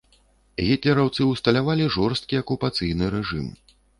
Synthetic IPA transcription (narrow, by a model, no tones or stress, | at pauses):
ɣʲit̪lʲɛɾawt̪sɨuwst̪ɐlʲavalʲiʐɔrst̪̚kʲiɐkupat̪sɨjnɨɾɛʐɨ̰m